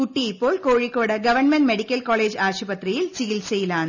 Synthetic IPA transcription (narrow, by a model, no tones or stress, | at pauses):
kʊʈːiɪpːoːlkoːɻɪkːoːɽɐɡɐʋɐnmɛɳʈmɛɽɪkːɐlkaːleːd͡ʒaːʂubɐt̪rɪjɪlsɪjɪlsɛjɪlaːnɐ